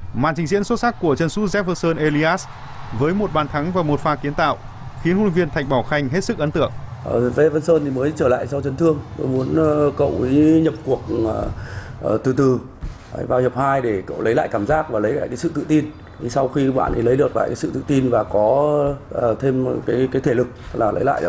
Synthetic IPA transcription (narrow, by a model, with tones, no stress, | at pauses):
ma̰ː˧˨nt͡ɕï˨˩ŋ̟zḭ˧˥ənso˦˥t̚sa˦˥k̚ːu˧˩ət͡ɕə˧nsu˨˦˥zɛ˦˥p̚və˧nsəː˧nʔe˧li˧ʔaː˦˥s | vəː˨˦jmo˨˩t̚ɓaː˨˩nt̪ʰa˨˦ŋvaː˨˩mo˨˩t̚faː˧˩ki˨˦ənt̪a̰ː˧˨wʔ | xi˨˦ənhu˧˨˧ŋvi˧ənt̪ʰa˨˩jŋ̟̚ɓaː˧˩wxa˧jŋ̟ɦe˦˥t̚sɨ˦˥k̚ʔə˨˦nt̪ɨ̰˧˨əŋʔʔə˨˩zɛ˦və˧nsəː˧nt̪ʰi˨˩məː˨˦jt͡ɕəː˧˩la̰ː˧˨jsa˧wt͡ɕə˨˦nt̪ʰɨ˧əŋt̪o˧jmu˨˦ən˧kə̰˧˨wʔi˨˦ɲə˨˩p̚ku˨˩ək̚ | t̪ɨ˨˩t̪ɨ̰˨˩˧ | vaː˧whi˨˩p̚haː˧jɗe˧˩kə̰˧˨wlə˨˦jla̰ː˧˨jkaː˧˩mzaː˦˥k̚vaː˨˩lə˨˦jla̰ː˧˨kaː˨˦sɨ̰˧˨t̪ɨ̰˧˨t̪i˧n | t̪ʰi˨˩sa˧wxi˧ɓa̰ː˧˨nʔi˨˩lə˨˦jɗɨ˨˩ək̚la̰ː˧˨ka˨˦sɨ̰˧˨t̪ɨ̰˧˨t̪i˧nvaː˨˩kɔ˨˦ə˨˩t̪ʰe˧mkaː˨˦jkaː˨˦jt̪ʰe˧˩lɨ˨˩k̚t̪ə˦˥k̚laː˨˩lə̰˨˦jla̰ː˧˨˧